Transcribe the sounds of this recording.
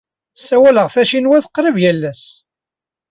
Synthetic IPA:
sːæwæləʁθæʃinwæθəqːɾəvjælːæs

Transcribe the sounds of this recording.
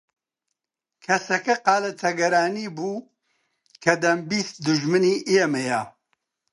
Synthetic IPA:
kʰɐsɐkɐqɑːlɐt̪ʰɐɡɐɾaːniːbuː | kʰɐd̪ɐmbist̪̚d̪uʒmɨniːʔiɛmɐja

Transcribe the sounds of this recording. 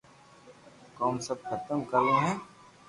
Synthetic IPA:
kɔːmsɐb̚kʰɐt̪əmkɐɾẽɦɛ̃ː

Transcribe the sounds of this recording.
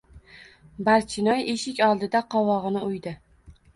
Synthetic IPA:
baɾt͡ʃʰɪnɒjeʃɪkʲɒlˠd̪ɪd̪aqʰɒwɒʁɨnɪʊjd̪ɪ

